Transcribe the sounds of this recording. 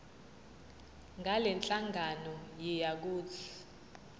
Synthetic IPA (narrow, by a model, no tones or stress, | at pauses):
ŋɡʱalɛnt͡ɬʼaŋɡʱanɔjɛjak̬uːt͡sʰi̥